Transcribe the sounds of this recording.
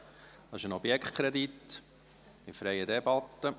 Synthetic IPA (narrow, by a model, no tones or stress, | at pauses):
d̥̪ɑɪ̥ʃənɔbjɛkχtkʰɾɛd̪it̪ː | ɪfɾɛɪəd̪ɛbɑt̪ːə